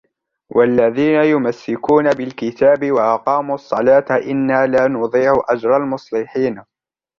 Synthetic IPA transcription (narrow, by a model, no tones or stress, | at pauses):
wʔalːaðiːnajʊmasːɪkuːnabɪlkɪt̪aːbɪwaʔɑqɑːmuːɑsˤːɑlaːt̪ʔɪnːaːlaːnʊd̪ˤiːʕʊʔad͡ʒɾˤɑlmʊsˤlɪħiːn